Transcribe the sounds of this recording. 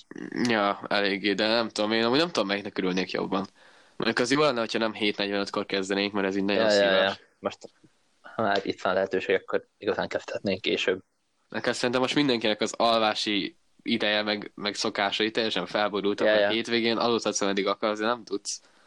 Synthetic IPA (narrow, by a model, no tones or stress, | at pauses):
jɒɛ̰leːɡːeːd̪ɛnɛmt̪ud̪omeːnɒmuːɟnɛmt̪ud̪omːɛjɛknɛkːøɾylneːkjo̰bːɒn | mʔo̰ɲɟukɛzjoːlɛnːɛɦo̞cʰhɒnɛmɦeːt̪nɛɟvɛnøt̪ko̞rkɛzd̪ɛneːŋkmɛɾɛziːɟnɒɟjosjj | moʃt̪ | hɒmaːɾḭt̪ʋɒnlɛɦɛt̪øːʃeːɡkːoɾiɡɒzaːŋkɛft̪ʰɛt̪neːŋkeːʃøːb̚ | ʔ̪ɛkɛlsɛɾint̪ɛmːo̞ʃt̪mind̪ɛŋkinɛkɒzɒlvaːʃi | id̪ɛjɛmɛɡmɛɡso̞kaːʃɒit̪ɛjːɛʃɛɱfɛlboɾult̪ɒheːt̪ʋeːɡeːnʔɒ̰loːt̪hɒt̪sɛmɛnd̪iɡɒkɒɾzd̪enɛmt̪ut̪s